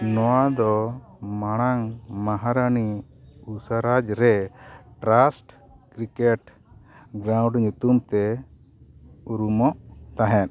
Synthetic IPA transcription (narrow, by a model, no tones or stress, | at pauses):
nɔwad̪ɔ | maɽ̃aŋmaɦaɾani | usaɾad͡ʒɾɛʈɾasʈ | kɾikeʈ | ɡɾãw̃ɖɲut̪umt̪ɛ | uɾumɔʔt̪aɦɛt̪